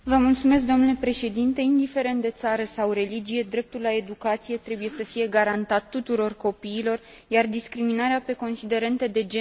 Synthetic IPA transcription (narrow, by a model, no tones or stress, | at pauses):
vəmult̪sume̞s̬k̚d̪o̞mnule̞pɾe̞ʃe̞d̪int̪e̞ind̪ife̞ɾe̞nt̪̚d̪e̞t̪saɾəsawre̞lid͡ʒije̞d̪ɾe̞p̚t̪ullae̞d̪ukat̪sije̞t̪ɾe̞buje̞səfije̞ɡaɾant̪at̪ːut̪uɾo̞rko̞piːlo̞r | jard̪iskɾiminaɾeape̞ko̞nsid̪e̞ɾe̞nt̪əd̪e̞d͡ʒe